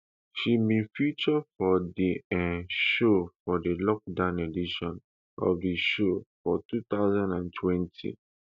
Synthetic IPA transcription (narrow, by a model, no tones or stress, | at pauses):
ʃimĩfit͡ʃɔfɔdiɛ̃ʃofɔdəlɔk̚dãʊ̃nediʃɔ̃n | ʔɔ̰fdiʃofɔtut̪aʊzãndãntʰwɛ̃ntʰḭ